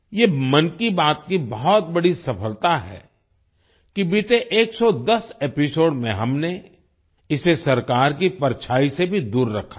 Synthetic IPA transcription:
jemɐnkibaːt̪kibɐɦɔt̪̚bɐɽisɐfəlt̪aɦɛ̰ː | kibɪt̪eʔeːksɔd̪ɐsepɪsoːɽmẽɦɐmne | ɪsesɐɾkaːɾkipɐɾt͡ʃʰaːisebʱid̪uːɾːɐ̰kʰːa

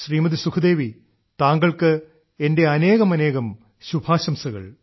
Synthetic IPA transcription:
ɕriːmɐðisukʰud̪e̞ːʋi | t̪aːŋɡɐɭkɨ | e̞nde̞ɐne̞ːɣɐmɐne̞ːɣɐm | ɕubʱaːɕɐmsɐɣɐ̰ɭ

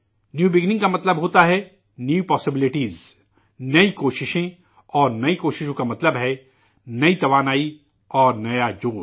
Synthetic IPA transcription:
njuːbɪɡnɪ̃ŋɡkamɐt̪ləbɦoːt̪aɦɛ | njuːpɔːsɪbɪlɪʈiːz | nɐikoːʃɪʃẽ | ɔːɾnɐikoːʃɪʃõkamɐt̪ləbɦɛ | nɐit̪ɐʋaːnaːi | ɔːɾnɐjad͡ʒoː

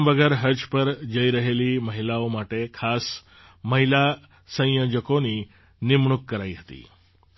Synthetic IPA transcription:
mʋəɡɛɾɦəd͡ʒpəɾd͡ʒəiɾəɦeliməɦilaomaʈekʰas | məɦila | sə̃jjod͡ʒəkoni | nɪmɳukːəɾaiɦət̪ḭ

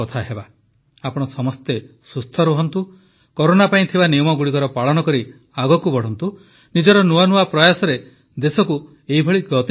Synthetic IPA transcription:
ɔt̪ʰaɦeba | apɔɽ̃ɔsɔmɔst̪e | sust̪ʰɔɾuɦɔnt̪u | kɔɾonapaĩt̪ʰibanijɔmɔɡuɽikɔɾɔpaɭɔnɔkɔɾi | aɡɔkubɔɽ̤ɔnt̪u | nid͡ʒɔɾɔnuanuapɾɔjasɔɾe | d̪esɔku | eɦibʱɔɭiɡɔt̪

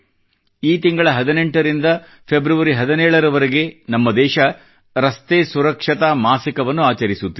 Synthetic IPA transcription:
iːt̪iŋɡɐɭɐɦɐd̪ine̞ɳʈɐɾind̪ɐ | pʰe̞bɾɐʋɐɾiɦɐd̪ɐnɛːɭɐɾɐʋɐɾeɡe̞nɐmːɐd̪ɛːʃɐ | ɾɐst̪eːsuɾɐkʂɐt̪amaːsikɐʋɐnːuaːt͡ʃɐɾisut̪ːi

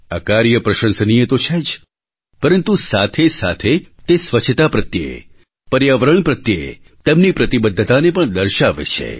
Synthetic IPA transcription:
akaɾjəpɾəʃə̃nsənijet̪ot͡ʃʰed͡ʒ | pəɾənt̪usat̪ʰesa̰t̪ʰet̪esʋət͡ʃʰət̪apɾət̪jə̰ḛ | pəɾjaʋəɾəɳ̃pɾət̪jəḛ | t̪ɛmnipɾət̪ibəd̪ʱːət̪anepəɳd̪əɾʃaʋḛt͡ʃʰḛ

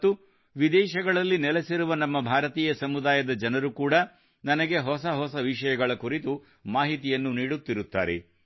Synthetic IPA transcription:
t̪ːu | ʋid̪ɛːʃɐɡɐɭɐlːinɛlesiɾuʋɐnɐmːɐbʱaːɾɐt̪iːjɐsɐmud̪aːjɐd̪ɐd͡ʒɐnɐɾukuːɽɐ | nɐnɐɡe̞ɦɔsɐɦɔsɐʋiʂɐjɐɡɐɭɐkuɾit̪u | maːɦit̪ijɐnːuniːɽut̪ːiɾut̪ːa̰ːɾḛ

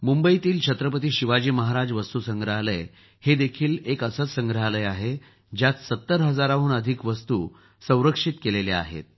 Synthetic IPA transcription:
mumbəit̪iːlt͡ɕʰət̪ɾəpət̪iːɕiʋad͡ʑiːməɦaɾad͡zʋəst̪usəŋɡɾəɦaləj | hed̪ekʰiːlekəsət̪sə̃ŋɡɾəɦaləjaɦe | d͡ʑjat̪sət̪ːəɾɦəd͡zaɾaʋuːnəd̪ʱikʋəst̪ṵː | sə̃w̃ɾəkʂit̪kelelea̰ɦḛt̪̚

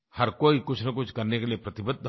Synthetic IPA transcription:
hɐɾkoːikʊt͡ʃʰnɐkʊt͡ʃʰkɐɾnekeliepɾɐt̪ɪbəd̪

